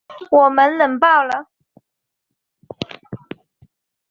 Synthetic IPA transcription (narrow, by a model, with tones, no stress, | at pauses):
wɔ˨˩mə˦nlə˨˩ŋpɑ˥˩ʊlə˨˩